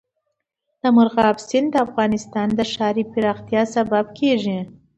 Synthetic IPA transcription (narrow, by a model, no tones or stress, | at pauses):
d̪̥əmʊɾɣɑbsɪnd̪əafɣɑnɪst̪ɑnd̪əʃɑɾipɪɾɑxt̪jɑsababkʰeʒi